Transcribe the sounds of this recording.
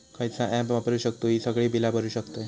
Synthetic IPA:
kajt͡saʔɛpʋapɾuɕək̚t̪oisəɡɭiːbilapəɾuːɕəkt̪aj

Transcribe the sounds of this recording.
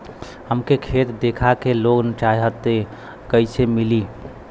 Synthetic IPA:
həmkekʰet̪d̪ekʰakeloɡnət͡ʃajɦət̪e | kəɪsemili

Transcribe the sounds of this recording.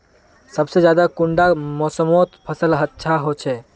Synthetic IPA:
səbsed͡ʒjad̪akuɳɖamɔsəmot̪pʰəsəlɦətːʃʰaɦot͡ʃʰɛ

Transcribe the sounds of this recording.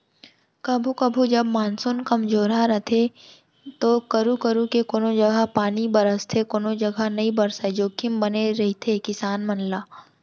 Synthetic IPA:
kɐbʱukɐbʱud͡ʒɐb̚maːnsʊnkɐmzoːɾɦaɾɐt̪ʰe | t̪oːkɐɾukəɾukekoːnod͡ʒɐɡapaːnibɐɾəst̪ʰekoːnod͡ʒɐɡʱanɐɦĩbɐɾsaed͡ʒoːkɪmbɐneɾɐɦit̪ʰekɪsaːnmɐnlaː

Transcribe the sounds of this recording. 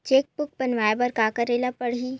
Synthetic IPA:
t͡ʃeːk̚pʊk̚pɐnʋaːebɐɾkaːkɐɾeːlapɐɽɦiː

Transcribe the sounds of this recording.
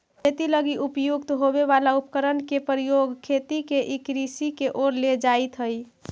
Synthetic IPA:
kʰet̪iləɡiʔupjuɡt̪ɦobeβalaupkəɾənkepɾijoɡkʰet̪ikeʔikɾisikeʔoɾled͡ʒait̪ɦəj

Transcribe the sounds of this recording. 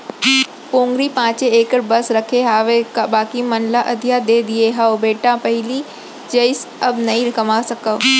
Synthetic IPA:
põːŋɡɾipãːt͡ɕeeːkəɾbɐsɾɐkʰeɦaːʋekabaːkimɐnlaʔɐd̪ʱjad̪ed̪ieɦaobeːʈãpɐɦɪli | d͡ʒɐɪsɐbnɐĩɾkɐmasɐkəʋ

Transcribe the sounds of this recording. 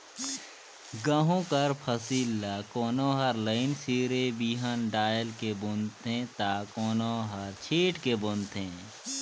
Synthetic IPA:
ɡəɦõkəɾpʰəsiːlːakoːnoːɦəɾləɪnsiːɾebiːɦənɖaːjəlkebʊnt̪ʰɦẽt̪aːkoːnoɦəɾt͡ʃʰeːʈkebʊ̃nt̪ʰɦẽː

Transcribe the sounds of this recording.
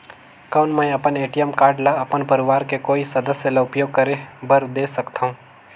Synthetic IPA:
kɐʊnmə̃j̃ɐpəneːʈijəmkaːɾɖlaɐpənpɐɾɪʋaːɾkekoːisɐd̪əsjəlaʊpjoːɡ̚kɐɾebəɾd̪eːsɐkt̪aɦũː

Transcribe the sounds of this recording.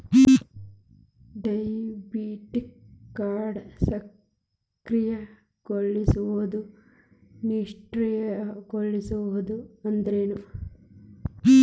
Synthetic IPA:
ɖɐjbiːʈikːaːɾɖsɐ | kɾijɐ | ɡ̥oɭːisuʋud̪u | niʂʈɾijɐɡoɭːisuʋuud̪uɐnd̪ɐɾeːnu

